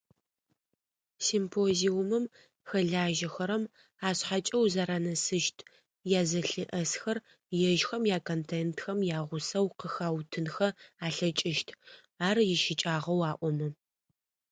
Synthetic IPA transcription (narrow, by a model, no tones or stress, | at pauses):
simpʰoziuʊmɨm | xɐɮaːʒɐxɐɾɐm | aːɕħat͡ʃʼɐwzaɾanɐsɨʃtʰ | jaːzɐɬɨʔɐsxɐr | jɛʒxɐmjaːkʰontʰentxɐmjaːʁʷʊsɐwqəxaːwtʰɨnxɐaːɬɐt͡ʃʼɪʃtʰ | aːrjɪʃɪt͡ʃʼaːʁɐwaːʔʷɔmɐ